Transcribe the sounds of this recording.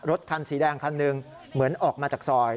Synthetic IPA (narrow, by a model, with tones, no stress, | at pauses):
ɾo˦˥t̪̚kʰa˧nsiː˩˦dɛː˧ŋkʰa˧nːɯ˧ŋ | mɯ˩˦ənʔɔː˨˩k̚maː˧t͡ɕaː˨˩k̚sɔː˧j